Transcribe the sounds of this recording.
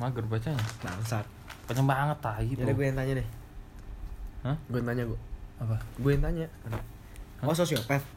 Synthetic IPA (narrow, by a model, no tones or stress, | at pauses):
maɡərbat͡ʃaɲama̰ŋsar | pəɲəmbaŋət̪aɡit̪daɡuajant̪aɲadɪh | həɡunt̪aɲaɡuaapaɡuwajint̪aɲaana | həososiopɛf̚